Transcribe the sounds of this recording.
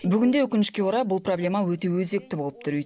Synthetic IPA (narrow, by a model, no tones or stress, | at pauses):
bʏɡʲɪnd̪ewɵkʲɪnɪʃkʲe̞uɾɑbʊlˠpro̞blʲe̞mɑwɵt̪e̞wɵze̞k̚t̪ɪbo̞lˠəp̚t̪ʰʊɾijt̪